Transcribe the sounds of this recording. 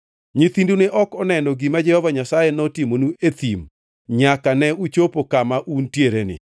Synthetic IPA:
ɲiθinduneʔɔkɔnɛnɔɡimad͡ʒɛhɔvaɲasajenɔtimonuet̪im | ɲakanɛut͡ʃopokamaʔuntjeɾenɪ̰

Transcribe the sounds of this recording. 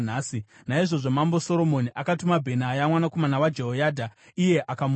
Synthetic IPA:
naːsi | naiʐo̞ʐo̞mambo̞so̞ɾo̞moniʔakatumabʱe̞najamwanako̞manawad͡ʒeɦojaːdʱaije̞ʔakam

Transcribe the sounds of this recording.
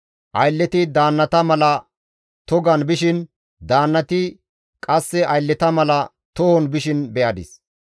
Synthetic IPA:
ʔɐjlːɛt̪ɪd̪aːnːɐt̪ɐmɐlɐ | t̪ɔɡɐnbɪʃɪn | d̪aːnːɐt̪ɪ | kʼɐsːɛʔɐjlːɛt̪ɐmɐlɐ | t̪ɔhɔnbɪʃɪnbɛʔɐd̪ɪ̰s

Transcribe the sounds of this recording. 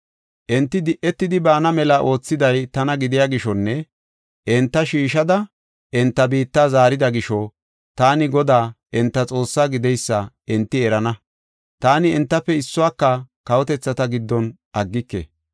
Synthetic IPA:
ʔɛnt̪ːɪd̪ɪʔːɛt̪ːɪd̪ɪbaːnɐmɛlɐʔo̞ːt͡sːɪd̪ɐjt̪ɐnɐɡɪd̪ɪjaɡɪʃɔnːɛ | ʔɛnt̪ːɐʃiːʃɐd̪ɐ | ʔɛnt̪ːɐbiːt̪ːaːzaːɾɪd̪ɐɡɪʃɔ | t̪aːnɪɡɔd̪aːʔɛnt̪ːɐt͡sʼo̞ːsːaːɡɪd̪ɛjsːɐ | ɛnt̪ːɪɛɾɐnɐ | t̪aːnɪɛnt̪ːɐpːɛɪsːʊwaːkːɐkɐwɔt̪ɛt͡sːɐt̪ɐɡɪd̪ːɔn | ʔɐɡːɪkːɛ̰

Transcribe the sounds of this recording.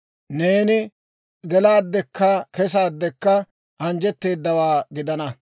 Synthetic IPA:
neːnɪ | ɡɛlaːd̪ːɛkːɐkɛs̬aːd̪ːɛkːɐ | ʔɐnd͡ʒɛt̪ːe̞ːd̪ːɐwaːɡɪd̪ɐnɐ

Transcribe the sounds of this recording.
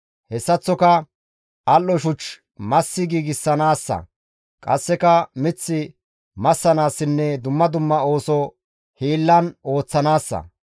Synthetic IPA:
hɛsːɐt͡sːɔkɐ | ʔɐlːɔʃʊt͡ʃ | mɐsːɪɡiːɡɪsːɐnaːsːɐ̰ | kʼɐsːɛkɐmɪt͡sːɪ | mɐsːɐnaːsːɪnːɛd̪ʊmːɐd̪ʊmːɐo̞ːsɔ | hiːlːɐno̞ːt͡sːɐnaːsːɐ̰

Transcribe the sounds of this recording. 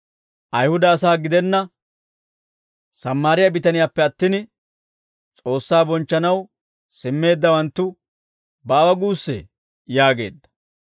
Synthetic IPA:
ʔɐjhʊd̪ɐːsaːɡɪd̪ɛnːɐ | sɐmːaːɾɪjɐbɪt̪ɐnɪjaːpːɛɐt̪ːɪn | t͡sʼo̞ːsːaːbɔnt͡ʃːɐnɐw | sɪmːe̞ːd̪ːɐwɐnt̪ːʊ | baːwɐɡuːsːɛ̰ | jaːɡe̞̰ːd̪ːɐ̥

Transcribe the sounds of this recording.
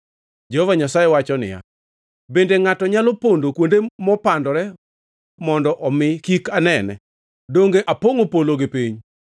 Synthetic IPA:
d͡ʒehovaɲasajewat͡ʃɔnɪ̰ja̰ | bendeŋatɔɲalopondokwondemɔpandɔɾɛ | mɔndɔʔɔmɪkikanɛnɛ̰ | doŋɡeʔapoŋopoloɡɪpiɲ

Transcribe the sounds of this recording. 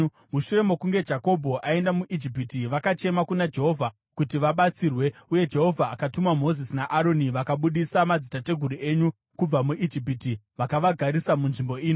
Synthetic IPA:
muʃure̞mokuŋɡe̞d͡ʒako̞bʱo̞ʔae̞ndamuʔid͡ʒip̬itiʋakat͡ʃe̞makunad͡ʒe̞ɦo̞vʱa | kutiʋaɓat͡sirwe̞uje̞d͡ʒe̞ɦo̞vʱaːkatumamo̞zisinaʔaɾo̞niʋakaɓuɗisamad͡zitate̞ɡʱuɾue̞ɲu | kub͡vamuʔid͡ʒipiti | ʋakaʋaɡʱaɾisamunʐimbo̞iːno

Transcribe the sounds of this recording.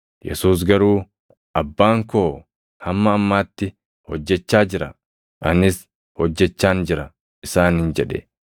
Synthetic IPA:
jɛ̰suːs̬ɡɐɾuː | ʔɐbːaːŋkoː | hɐmːɐːmːaːt̪ːɪ | hɔd͡ʒːɛt͡ʃːaːd͡ʒɪɾɐ | ʔɐnɪs | hɔd͡ʒːɛt͡ʃːaːnd͡ʒɪɾɐ | ɪsaːnhɪnd͡ʒɛᶑɛ̰

